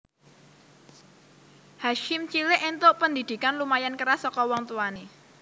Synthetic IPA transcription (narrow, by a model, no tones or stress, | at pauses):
haʃɪmt͡ʃilɪʔent̪ʊʔpənd̪id̪̥i̤kanlumajankəɾasɔkɔwɔŋt̪uani